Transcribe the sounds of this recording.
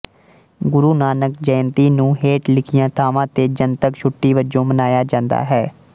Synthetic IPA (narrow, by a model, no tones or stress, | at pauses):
ɡʊɾuːnaːnəkd͡ʒɛːnt̪iːnũːɦeːʈlɪkʰɪjãːt̪ʰaːʋãːt̪eːd͡ʒənt̪əkʃʰʊʈːiːʋəd͡ʒõːmənaːjaːd͡ʒãːnd̪a̰ːɦɛː